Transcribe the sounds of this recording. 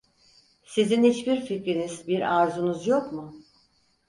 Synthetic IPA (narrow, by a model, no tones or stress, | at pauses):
sizinhit͡ʃbiɾficɾinizbiɾaɾzunuzjokmʊ